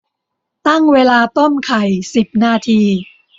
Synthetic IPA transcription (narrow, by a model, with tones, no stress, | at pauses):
t̪a˥˩ŋweː˧laː˧t̪o˥˩mkʰa˨˩jsi˨˩p̚naː˥˩t̪ʰiː˧